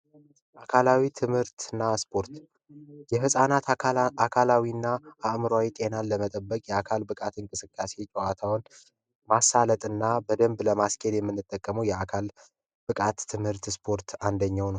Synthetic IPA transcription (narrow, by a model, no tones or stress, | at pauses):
ʔakʰalawit̪ʰɨmhɨɾt̪ɨnːaspʰo̞ɾt̪ | jɛɦɨsʼanat̪akʰalawinːaʔaʔmɨɾawit̪ʼe̞naləmət̪ʼəbːəkʼjɛakʰalbɨkʼat̪ɨŋkʼɨsɨkʼːase̞t͡ʃʼɛwat̪ʰawn | masːalət̪ʼɨnːabəd̪əmbləmaskʰʼeljɛmːɨnːɨt̪ʼːəkʼːəməwjɛakʰal | b̥ɨkʼat̪ʰːɨmhɨɾt̪spʰo̞ɾt̪ʰand̪əɲːawnəw